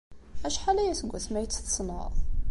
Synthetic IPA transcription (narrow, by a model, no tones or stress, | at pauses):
æʃħalæjæsəɡʷːæθmæjət͡sːθə̥sˤnə̰ðˤ